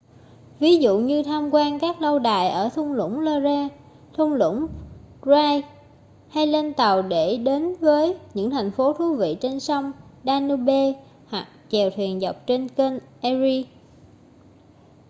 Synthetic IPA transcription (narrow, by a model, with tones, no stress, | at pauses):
vi˨˦zṵ˧˨ɲɨ˧t̪ʰaː˧mkwaː˧nkaː˦˥k̚lə˧wɗa̰ː˧˨jʔəː˧˩t̪ʰʊ˧wŋ͡mlʊ̰˧˥ŋ͡mlɔ˧zaː˧ | t̪ʰʊ˧wŋ͡mlʊ̰˧˥ŋ͡m | zaː˧j | ha˧jle˧nt̪ə˨˩wɗe˧˩ɗe˨˦nvəː˨˦jɲɨ̰˧˥ŋt̪ʰa˨˩jŋ̟fo˨˦t̪ʰu˨˦vḭ˧˨t͡ɕe˧nsə˧wŋ͡mɗaː˧nɨ˧ɓe˧ | hwa˨˩k̚t͡ɕɛ˨˩wt̪ʰwi˨˩ənza˨˩wk͡p̚t͡ɕe˧nke˧nʔɛ˧zi˧